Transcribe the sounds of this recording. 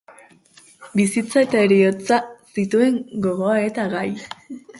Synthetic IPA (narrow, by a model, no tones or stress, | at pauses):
bisit͡sae̞t̪ae̞ɾiot͡sasit̪ue̞ŋɡo̞ɣo̞ae̞t̪aɣaj